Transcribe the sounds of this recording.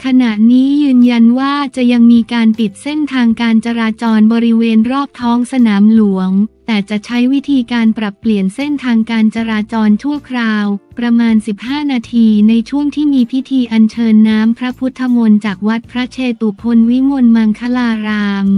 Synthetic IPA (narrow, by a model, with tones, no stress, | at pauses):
kʰa˧na˨˩ʔniː˦˥jɯː˧nja˧nwaː˥˩t͡ɕa˨˩ja˧ŋmiː˧kaː˧npi˨˩t̪̚se˥˩nt̪ʰaː˧ŋkaː˧nt͡ɕa˧ɾaː˧t͡ɕɔː˧nbɔː˧ɾi˦˥weː˧nɾɔː˥˩p̚t̪ʰɔː˦˥ŋsa˧naː˩˦mlu˨˩˦əŋt̪ɛː˨˩t͡ɕa˨˩t͡ɕʰa˦˥jwi˦˥t̪ʰiː˧kaː˧npɾa˨˩pːli˨˩ənse˥˩nt̪ʰaː˧ŋkaː˧nt͡ɕa˧ɾaː˧t͡ɕɔː˧nt͡ɕʰu˥˩əkʰɾaː˧wpɾa˧maː˧nsi˨˩p̚haː˥˩naː˧t̪ʰiː˧na˧jt͡ɕʰu˥˩əŋt̪ʰiː˥˩miː˧pʰi˦˥t̪ʰiː˧ʔa˧nt͡ɕʰɤː˧nːaː˦˥mpʰɾa˦˥pʰu˦˥t̪ʰːa˧mo˧nt͡ɕaː˨˩k̚wa˦˥t̪̚pʰɾa˦˥t͡ɕʰeː˧t̪u˨˩pʰo˧nwi˦˥mo˧nma˧ŋkʰa˦˥laː˧ɾaː˧ŋ